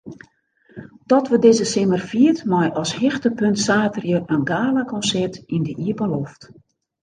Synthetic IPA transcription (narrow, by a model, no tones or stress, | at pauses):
d̥ɔtʋədɪzəsɪmərfiətmɔjʔɔshɪxtəpøntsaːtərjəʔənɡaːləkɔnsɛrtindəʔiəpəloft